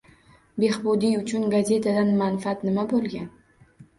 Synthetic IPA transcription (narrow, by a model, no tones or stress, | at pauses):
be̞hbʊd̪iʊt͡ʃʰʊnɡazʲe̞t̪ʰad̪anmanfat̪nɪmabolˠɡʲan